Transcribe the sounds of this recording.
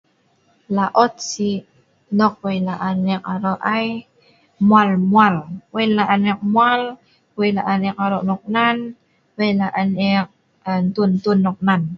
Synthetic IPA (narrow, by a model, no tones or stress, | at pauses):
laʔɔt̪̚si | nɔk̚wejlaʔanɛkaɾɔʔaj | mualmualwelaʔanɛk̚mual | wejlaʔanɛk̚aɾɔʔnɔk̚nan | wejlaʔanɛk̚ | nt̪unt̪unːɔk̚nan